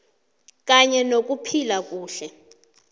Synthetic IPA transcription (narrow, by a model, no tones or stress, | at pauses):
k̬ʼaɲɛnok̬ʼupʰilak̬ʼuːɬɛ